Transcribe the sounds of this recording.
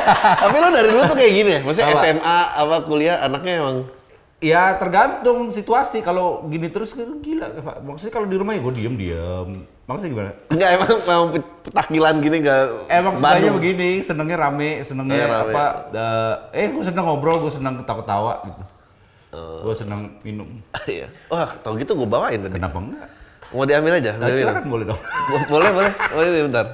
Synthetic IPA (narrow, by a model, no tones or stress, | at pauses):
t̪apiladaɾiduat̪ukajaɡinimas̬iɛsɛmaːpakuliaanak̚ɲaemaŋ | jat̪ərɡant̪ʊŋsit̪uasikaloɡinit̪əɾʊsɡərɡila̰ʔkpa̰maksuɲakalodiɾumahjaɡuɛdiəmdḭəmː | aksuɲaɡimana̰ŋɡaʔemaŋmamaŋp | pə̥t̪akilanɡiniŋɡaemaŋbaaɲabəɡinisənəŋɲaɾamɛsənəŋɲɲaaɾaamaəəhɡuas̬ənəŋobɾɔɡuasənəŋt̪akat̪awa̰ʔɡit̪u | əɡuasənəŋminʊmja̰aht̪auɡit̪uɡuabawaɪndakənapaŋɡa̰ʔmodiambɪlad͡ʒaasiakanbolɛhdɔbolɛhbolɛhbolɛdibənt̪ar